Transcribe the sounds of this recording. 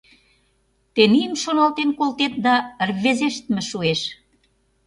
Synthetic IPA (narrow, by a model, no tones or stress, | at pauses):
t̪enijəmʃonɑlt̪enkolt̪et̪̚d̪ɑrβezeʃt̪mĕʃueʃ